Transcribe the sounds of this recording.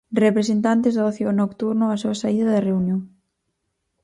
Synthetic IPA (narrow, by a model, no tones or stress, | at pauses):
repɾesent̪ant̪ezðaoθjonokt̪uɾnoasuasaiðɐðereunjõŋ